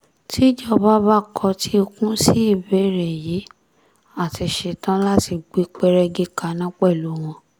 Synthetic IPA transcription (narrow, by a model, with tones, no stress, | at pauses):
tʰi˦d͡ʒɔ˦˨˧ba˦ba˦˨kʰɔ˧tʰi˦o˧kũ˦si˦i˦˨be˨˦˨ɾɛ˨ji˨˦ | a˦˨ti˧ʃe˧tã˦la˦ti˧ɡ͡bi˦k͡pɛ˦ɾɛ˧ɡi˦ka˨˦nã˦k͡pɛ˦˨lu˨˦w̃ɔ̃˧